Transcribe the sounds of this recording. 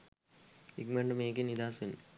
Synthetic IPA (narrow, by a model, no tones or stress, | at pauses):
iɡmeɳɖmeːk̬enid̪aːsʋenː